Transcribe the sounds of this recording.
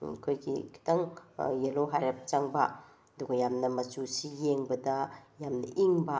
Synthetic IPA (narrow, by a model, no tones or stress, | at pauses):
kʰojɡḭkʰi̥taŋjelowɦajɾap̚t͡ʃaŋbɐ | duɡɐjamnɐmɐt͡ʃusijeŋbɐdajamnɐʔiŋbɐ